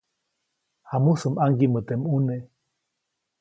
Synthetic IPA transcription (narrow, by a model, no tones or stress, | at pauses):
hamusɨmaŋɡimət̪emune